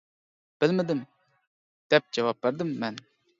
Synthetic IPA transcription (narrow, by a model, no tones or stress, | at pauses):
b̥ɪlmɪd̪ɪm | d̪̥ɛp̚d͡ʒɛvɑp̚beɾd̪ɪmːɛn